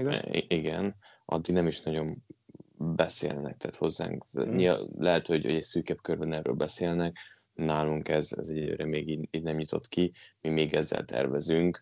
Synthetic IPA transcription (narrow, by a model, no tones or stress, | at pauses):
iɡɛn | ʔɒ̰d̪ːiɡnɛmiʃnɒɟo̞m | bɛsḛːlnɛ̰k̚t̪ɛaːt̪ho̞zːa̰ːŋkɲilɛɦɛt̪ho̞ɟoɟɛcsyːkɛbkørbɛnɛrːø̰ːlbɛseːlnɛk | naːluŋkɛzɛ̰zɛɟɛlø̰ːɾɛmeːɡiːiːɟnɛmɲit̪o̞t̪kimimeːɡɛzːɛ̰lt̪ɛ̰rvɛzyŋk